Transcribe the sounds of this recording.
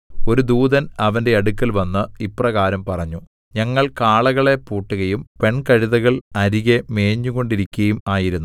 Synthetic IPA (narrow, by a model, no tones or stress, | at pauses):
o̞ɾud̪uːðɐnɐʋɐnde̞ɐɽukːɐlʋɐnːɨiprɐɣaːɾɐmpɐrɐɲːu | ɲɐŋːɐɭkaːɭɐɣɐɭe̞puːʈːuɣɐjumpe̞ɳkɐɻiðɐɣɐɭɐɾiɣeme̞ːɲːuɣo̞ɳɖiɾikʲːɐjumaːjiɾunː